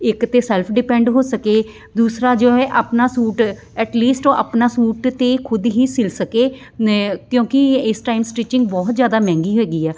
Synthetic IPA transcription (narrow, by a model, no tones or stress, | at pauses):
ɪkt̪eːsɛːlpʰɖɪpɛ̃ːɳɖɦoːsəkeː | d̪uːsɾaːd͡ʒoːɛːʔəpnaːsuːʈ | ɛːʈliːsʈːʔə̰pnaːsuːʈt̪eːkʰʊd̪ɦiːsɪlsəkeː | kjõːkɪɪsʈaːɪmsʈiːt͡ʃɪŋɡ̚bɔːt̪zjaːd̪aːmɛ̃ːŋɡiːɦoeːɡiːɛː